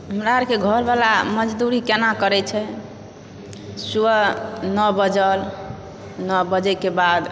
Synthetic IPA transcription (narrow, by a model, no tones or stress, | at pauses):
ɦəmɾaəɾkeɡʱəɾbalaməd͡ʒd̪uɾikenakəɾɛt͡ʃʰɛ | suənəbəd͡ʒəl | nɔbəd͡ʒɛkebad̪